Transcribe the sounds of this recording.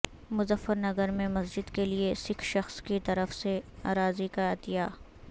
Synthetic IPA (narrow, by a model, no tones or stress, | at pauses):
mʊzəfːəɾnɐɡəɾmẽmɐsd͡ʒɪd̪keliesɪkʰʃɐxskit̪ɐɾəfseaːɾaːzikaɪt̪ɪjaː